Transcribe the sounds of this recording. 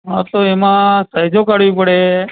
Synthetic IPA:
ɦat̪oemãsəɦjd͡ʒokaɽʋipəɽe

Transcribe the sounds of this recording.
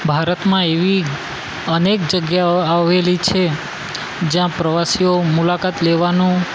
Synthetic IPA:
bʱaɾət̪mãeʋi | ənekd͡ʒəɡjaaʋelit͡ʃʰe | d͡ʒjãpɾəʋasijomulakat̪leʋanũ

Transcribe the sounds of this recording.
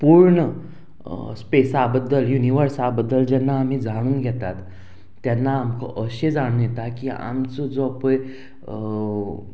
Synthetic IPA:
puɾɳə | spesabəd̪ːəljuniʋəɾsabəd̪ːəld͡ʑɛnːaːm̤iːd͡zaɽ̃uːnɡʱɛt̪at̪ː | janːaːmkəʔəɕed͡zaɽ̃ũːnjɛt̪akia̰mt͡sod͡zoapəj

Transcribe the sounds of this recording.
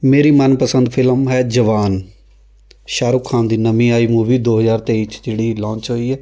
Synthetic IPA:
meːɾiːmənpəsənd̪pʰɪlmɦɛːd͡ʒəʋaːn | ʃaːɾukʰːãːnd̪iːnəmĩːaːiːmuːʋiːd̪oːɦəzaːɾt̪eːit͡ʃd͡ʒeːɽiːlɔ̃ːɲt͡ʃɦoːiːɛː

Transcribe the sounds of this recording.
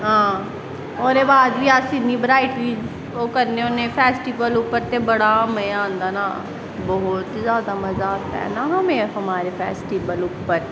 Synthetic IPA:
ɦãː | ɔːɾebaːd̪biaːsɪnːibɾaːɪʈɾiːd͡ʒ | okɐɾneonẽfɛːsʈibəluːpːəɾt̪ebɐɽaməjãːnd̪ana | bɔɦʊt̪zjaːd̪amɐzaːt̪a̰ɦɛ̰naɦɐmẽɦɐmaːɾefʰɛːsʈibəlʊːpːəɾ

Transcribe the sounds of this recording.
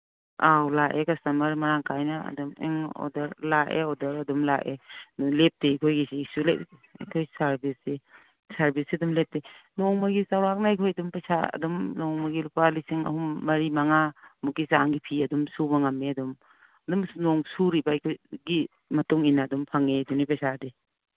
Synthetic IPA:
awlaʔekasamɐɾmɐɾaŋkʰajnaɐ̰dumḛŋɔ̰dɐɾlaʔḛɔdɐɾɐdumlaʔelep̚teikʰojɡisiːsuleɐ̰kʰojsaɾbise | saɾbisiɐdumlep̚tenɔŋmaɡisawɾak̚naijkʰojɐdumpasaɐ̰dumnɔŋmɐɡilupalisiŋɐ̰ɦumːɐɾimaŋamukːisaŋɡipʰiɐdumsubaŋamːeɐdum | ɐdumnɔŋsuɾibajkʰojɡi | mɐtuŋinaːdumpʰaŋedunipasade

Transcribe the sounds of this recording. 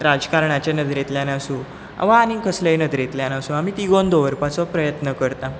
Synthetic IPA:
ɾad͡zkaɾɳat͡ɕjanəd̪ɾet̪ljanasũ | a̰ʋaanikʰəslajnəd̪ɾet̪ljanasũamiːt̪iɡond̪oʋəɾpat͡sɔpɾəjət̪nəkəɾt̪a

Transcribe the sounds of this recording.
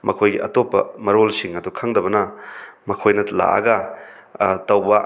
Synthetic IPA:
mʔɐkʰojɡiʔɐtopːɐ̰mɐɾolsiŋɐdukʰɐŋdɐbɐnɐmɐkʰojnɐla̰ʔɐ̰ɡɐ | tɐwbɐ

